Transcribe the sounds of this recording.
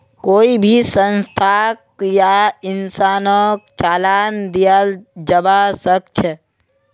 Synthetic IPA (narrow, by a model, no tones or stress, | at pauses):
koːibʱisə̃nst̪ʰak̚jaɪnsaːnɔkt͡ʃaːlaːnd̪ijald͡ʒəbasək̚t͡ʃʰɛ